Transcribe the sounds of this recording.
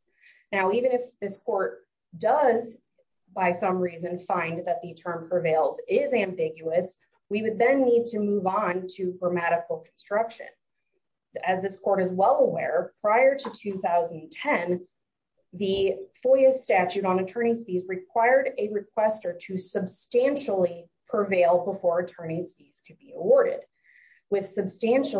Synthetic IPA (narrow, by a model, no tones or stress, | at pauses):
naʊivɨ̃nɨfðɪskʰɔɹt̚ | d̥ʌz | baɪsʌ̃mɹizɨ̃nfãɪ̃nðɨt̪̚ðɨtʰɜ̃˞mpʰɹ̥ɨveɪlˠzɪzæ̃mbɪɡjʉɨs | wiwɨd̪̚ðɨ̃nːid̚tʰɨmuvn̩tʰɨɡɹəmæɾɨkl̩ˠkʰn̩stɹ̥ʌkʃɨ̰̃n | ɨzðɪskʰɔɹɾɨzwɛlˠəwɛɹpʰɹ̥aɪə˞ɾɨtʰʉθaʊzn̩ntʰɛ̃n | ðɨfʊlˠiɨststæt͡ʃʉɾn̩ɨtʰɜ̃˞ɾ̃isfizɹɨkʰw̥aɪə˞ɾɨɹɨkʰw̥ɛstə˞ɾɨsɨbstæ̃nʃl̩ˠi | pʰəveɪlˠbəfɔɹɨtʰɜ̃˞ñisfiz̥kʰɨd̚biəwɔɹɾɪ̰d̥̚ | wɨð̥sɨb̥stæ̃nʃ